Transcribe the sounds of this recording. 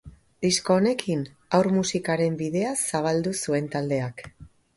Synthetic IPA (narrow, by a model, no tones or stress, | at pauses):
d̪isko̞ːne̞kʰin | awɾmusikaɾe̞mbið̞e̞asaβ̞ald̪usue̞nt̪ald̪e̞ak